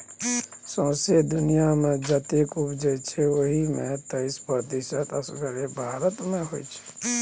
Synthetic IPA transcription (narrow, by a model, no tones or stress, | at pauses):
sə̃ːsjed̪ʊnijamẽd͡ʒət̪ekubʰd͡ʒət͡ʃʰɛoɦimḛ̃t̪əɪspɾət̪isət̪əsɡəɾebʱaːɾət̪mẽɦoit͡ʃʰɛ̥